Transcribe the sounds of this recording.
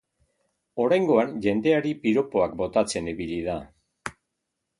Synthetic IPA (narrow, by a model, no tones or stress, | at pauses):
o̞ɾajŋɡo̞anʝe̞nd̪e̞aɾipiɾo̞po̞akbo̞t̪at͡se̞niβiliða